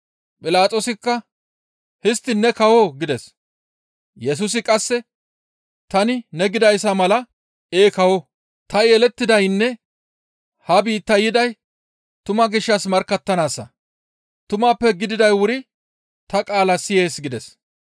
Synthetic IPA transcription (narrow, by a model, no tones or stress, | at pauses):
pʼɪlaːt̪ʼoːsɪkːɐ | hɪst̪ːɪnːɛkɐwoɡɪd̪ɛs | jɛs̬ʊs̬ɪkʼɐsːɛ | t̪ɐnɪnɛɡɪd̪ɐjsɐmɐlɐ | eːkɐwo | t̪ɐjelɛt̪ːɪd̪ɐjnːɛ | hɐbiːt̪ːɐjɪd̪ɐj | t̪ʊmɐɡɪʃːɐsmɐɾkːɐt̪ːɐnaːsːɐ̰ | t̪ʊmaːpːɛɡɪd̪ɪd̪ɐjwʊɾɪ | t̪ɐkʼaːlɐsɪje̞ːsɡɪd̪ɛs